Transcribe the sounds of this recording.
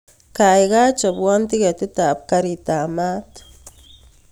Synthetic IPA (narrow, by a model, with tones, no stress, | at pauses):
ka˨jɡa˦t͡ʃa˨bwo˦nt̪i˦ɡe˨t̪i˦t̪a˨p̚ka˧ɾi˨t̪a˨ma˦t̪